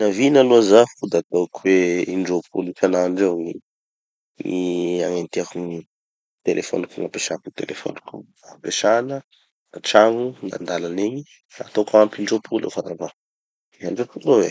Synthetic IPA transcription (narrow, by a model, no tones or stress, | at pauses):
navinaluazafud̪at̪okʰuweiɳɖ͡ʐopʰulifanaɳɖ͡ʐewŋi | ŋiaŋent̪iakuŋi | t̪elʔefo̰nukunapeʃakunit̪ḛlʔefo̰nuku | apeʃanə | naʈ͡ʂaŋuna̰nd̪alaneɲi | a̰t̪okampiɳɖ͡ʐopʰulḛwfaɾava | aɳɖ͡ʐopulowe